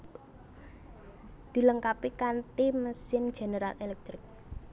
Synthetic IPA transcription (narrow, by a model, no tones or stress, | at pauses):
d̪̥i̤ləŋkapikant̪iməsɪn̥ʒ̥e̤neɾalelɛk̚t̪ɾɪk̚